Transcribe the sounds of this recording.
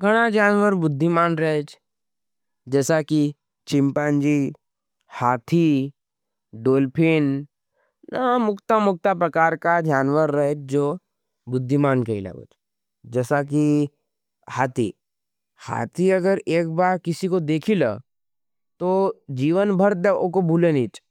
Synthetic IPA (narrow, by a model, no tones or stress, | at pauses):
ɡʱɐɽ̃ad͡ʒaːnʋəɾbʊd̪ʱːimaːnɾɐɦt͡ʃ | d͡ʒɛːsaki | t͡ʃɪ̃mpaːnd͡ʒi | haːt̪ʰi | ɖoːlpʰɪn | namʊkt̪amʊk̚t̪apɾɐkaːɾkad͡ʒaːnwəɾːɐɦet͡ʃd͡ʒoː | bʊd̪ʱːimaːnkɐila̰bə̰t͡ʃ | d͡ʒɛːsak̬i | haːt̪ʰi | ha̰ːt̪ʰiɐɡəɾeːk̚baːɾkɪsikod̪eːkʰila̰ | t̪od͡ʒiːʋənbʱəɾd̪eʔokobʱuːleniːt͡ʃ